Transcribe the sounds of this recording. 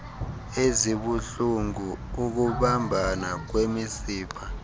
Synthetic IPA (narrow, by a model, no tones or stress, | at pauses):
eziɓuɬuŋuːk̬uɓambʱanak̬wemisiːpʰa